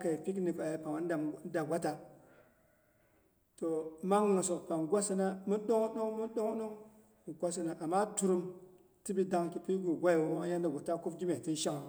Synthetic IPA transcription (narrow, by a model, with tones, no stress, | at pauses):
ka˨i˨fi˦k̬ni˨ka˨ji˨pa˨ma˦n˦˨˦da˨ɡʷa˦ta˨ | to˨ma˦ŋ˦no˨so˨kpa˨ŋɡʷa˦si˦na˦mu˦ɗo˦ŋ˦ɗo˦ŋmu˦ɗo˦ŋ˦ɗo˦ŋ | ku˨ɡʷa˦si˦na˨ʔa˨mːa˦tu˦ɾu˦m | ti˦bi˦da˨ŋki˦pi˦ɡu˨ɡʷa˦˨wo˦o˦ja˦nda˨ɡʷo˨ta˦ku˦fd͡ʒi˦me˨ti˦n˦ʃa˦ŋ˨